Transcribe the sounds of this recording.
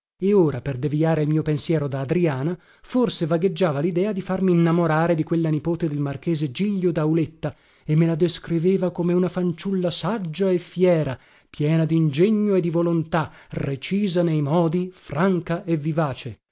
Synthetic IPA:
eoːɾaperd̪eviaːɾeilmiːopensjɛːɾod̪aːd̪ɾiaːna | forsevaɡed͡ʒːaːvalid̪ɛːad̪ifarmiːnːamoɾaːɾed̪ikwelːanipoːt̪ed̪elmark̟eːzed͡ʒiʎːod̪awlet̪ːa | emːelad̪eskɾiveːvakomeunafant͡ʃulːasad͡ʒːaefjɛːɾa | pjɛːnad̪ind͡ʒeɲːoed̪ivolont̪aret͡ʃiːzanejmɔːd̪ifraŋkaʔevːivaːt͡ʃe

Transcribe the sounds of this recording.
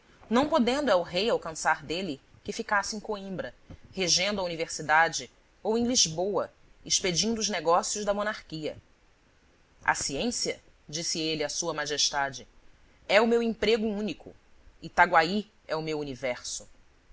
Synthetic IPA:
nɐ̃w̃pod̪ẽnd̪ʊɛʊɦejawkɐ̃saɾd̪elɪ | kɪfikasɪẽj̃koĩmbɾɐheʒẽnd̪ʊɐuniveɾsid̪ad͡ʒɪ | owẽj̃liʒbowɐ̰ | iʃped͡ʒĩnd̪ʊːʒneɡɔsjʊʒd̪ɐmonaɾkiɐ̰ | ɐ̰siẽsiɐ | d͡ʒisɪelɪɐsuɐmaʒeʃt̪ad͡ʒɪ | ɛʊmewẽpɾeɡʊũnikʰʊ̰ɪt̪aɡwai | ɛʊmewunivɛɾsʊ̥

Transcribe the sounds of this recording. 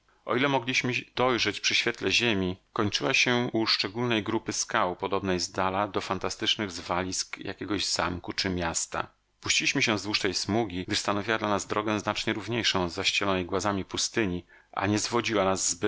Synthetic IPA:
ʔɔ̰ilɛmɔɡlʲiɕmɘd̪̥ɔjʐɛt͡ɕpʂɘɕfʲjɛt̪lɛʑemʲikɔɲt͡ʂɘwaɕɛuʂt͡ʂɛɡulnɛjɡɾupɘskawpɔd̪ɔbnɛjzd̪alad̪ɔfant̪ast̪ɘt͡ʂnɘɣzvalʲiskja̰kʲɛɡɔʑzamkut͡ʂɘmʲjast̪a̰ | pu̥ɕt͡ɕilʲiɕmɘɕɛ̃zd̪vwuʂt̪ɛjsmuɡʲiɡ̚d̪ɘʂst̪anɔvʲiwad̪lanazd̪ɾɔɡɛznat͡ʂɲɛɾuvɲejʂɔ̃w̃zːaɕt͡ɕɛlɔnɛjɡwazamʲipust̪ɘɲi | ʔa̰ɲɛzvɔd͡ʑiwanazːb

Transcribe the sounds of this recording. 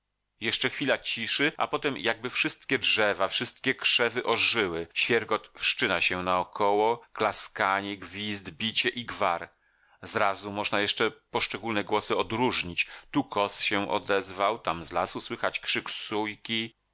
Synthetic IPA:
jɛʂt͡ʂɛxfʲilat͡ɕiʂɘʔa̰pɔt̪ɛmjʔaɡ̚bɘfʂɘst̪̚kʲɛdʐɛvafʂɘst̪kʲɛkʂɛvɘʔɔʐɘwɘɕfʲjɛɾɡɔt̪fʂt͡ʂɘnaɕɛnaɔkʰɔwɔklaskaɲɛɡvʲizd̪bʲit͡ɕɛʔiɡvaɾ | zɾazumɔʐnajɛʂt͡ʂɛpɔʂt͡ʂɛɡulnɛɡwɔsɘɔd̪ɾuʐɲit͡ɕt̪ukʰɔsɕɛʔɔ̰d̪ɛzvawt̪amzlasuswɘxat͡ɕkʂɘksujkʲi

